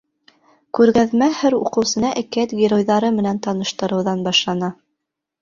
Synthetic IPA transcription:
kʉɾɡæðmæhɘɾṵqɤ̆wsɤ̆nɑʔɘkæt̪ɡʲɪɾojðɑɾɤmɘ̆nænt̪ɑnɤ̆ʃt̪ɤ̆ɾɤ̆wðɑnbɑʃlˠɑnɑ

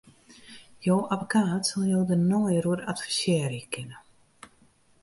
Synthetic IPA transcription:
joːʔavəkʰaːtsalˠjoːwdənɔjəɾuəɾatfisjɛːɾikʰɪnə

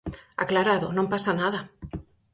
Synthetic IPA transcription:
a̰klaɾaðonõmpasanaða

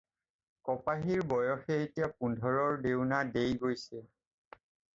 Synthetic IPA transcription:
kɔpaɦiɹbɔjɔxɛːtijap̚undʱɔɹɔɹdewnadejɡojsɛ

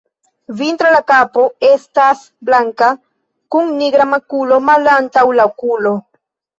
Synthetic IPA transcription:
vint̪ɾalakapo̞estas | blaŋka | kuŋniɡɾamakulo̞malantawlaokulo

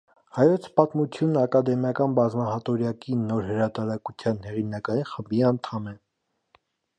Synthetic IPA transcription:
hɑjɔt͡sʰpɑt̪mut͡sʰjunəɑkɑd̪ɛmjɑkɑnbɑzmɑɦɑt̪ɔɾjɑkinɔɾhəɾɑt̪ɑɾɑkut͡sʰjɑnhɛʁinɑkɑjinχəmbiɑnt̪ʰɑmɛ

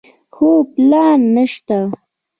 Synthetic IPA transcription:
xuːplaːnːəʃt̪a

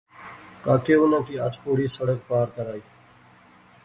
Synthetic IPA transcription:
kaːkʰeːʊnãːk̪ʰiːəʈpoːɽiːsəɽək̚paːɾkəɾaːiː

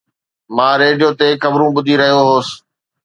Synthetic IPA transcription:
mãːɾeːɖijot̪ekɐbɾũɓʊd̪ʱiɾɐɦijoɦoːsɪ̥

